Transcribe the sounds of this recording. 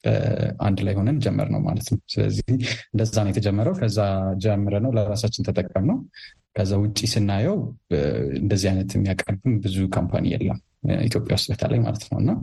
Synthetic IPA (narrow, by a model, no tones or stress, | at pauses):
ʔa̰nd̪lajho̞nənd͡ʒɛmːə̰ɾnə̰wma̰lət̪nəwsɨlə̰zːiihɨnd̪əːanjɛt̪ʰəd͡ʒɛmːəɾəwkʰəzːad͡ʒɛmːəɾənəwləɾasat͡ʃːɪnt̪ʰət̪ʼəkʼːəmnəw | kʰəzːawʊt͡ʃʼːisɨnːajɛw | ɨ̰nd̪əzːihajnət̪ʰjɛmːijakʼːərbɨmbɨzukʰompʰa̰nḭjɛ̰lːə̰m | ḭt̪ʰjo̞pʼja̰wʊst̪bət̪ʰə̰la̰jma̰lət̪nə̰wɨ̰nːa